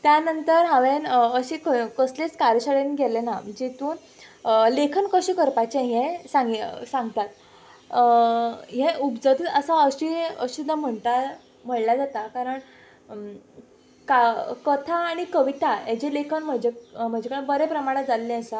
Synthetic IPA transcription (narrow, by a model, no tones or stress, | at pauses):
t̪janənt̪əɾɦãʋenəɕekəkəslet͡skaɾjəɕəɭenɡʱelenaməd͡ʑet̪uːn | əlekʰənkəɕẽkəɾpat͡ɕẽɦẽsãŋɡsãŋɡt̪at̪̚ | ɦeupd͡zət̪əsaəɕiə̰ɕud̪ʱːam̤əɳt̪a | m̤əɽlad͡zat̪akaɾəɳ | kakət̪ʰaːɽ̃ikəʋit̪ajed͡ʑelekʰənm̤əd͡ʑem̤əd͡ʑekəɽ̃bəɾepɾəmaɽ̃ə̃d͡zalːẽəsa